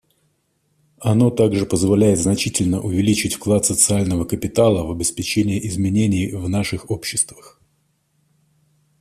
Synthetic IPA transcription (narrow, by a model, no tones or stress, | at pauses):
ɐno̞t̪aɡʐɨpəzvɐlʲæjɪt̪znɐt͡ɕitʲɪlʲnəʔʊvʲɪlʲit͡ɕɪtʲfklˠat̪sət̪sɨalʲnəvəkəpʲɪt̪alˠəvɐbʲɪspʲɪt͡ɕenʲɪjəʔɪzmʲɪnʲenʲɪjvnaʂɨxo̞pɕːɪst̪vəx